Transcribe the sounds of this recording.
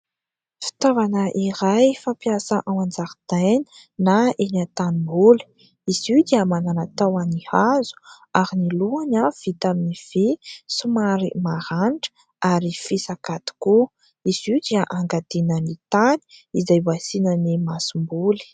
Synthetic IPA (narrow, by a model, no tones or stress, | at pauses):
fi̥t̪avanəʔiɾajfampjasəʔaw̃and͡zaɾd̪̥anə̥ | naenat̪animbulə̥ | izid̪iamananat̪awanihazu̥ | aɾiniluanav̥it̪aminiv̥isumaɾḭmaɾanʈ͡ʂə̥ | aɾifisakat̪i̥ku | iz̥id̪iaʔaŋɡad̪enənit̪ani̥izajbasinənimasimbuli̥